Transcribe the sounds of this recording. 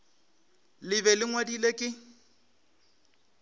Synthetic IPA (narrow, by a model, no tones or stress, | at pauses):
lɪβɛlɪŋwadilekʼɪ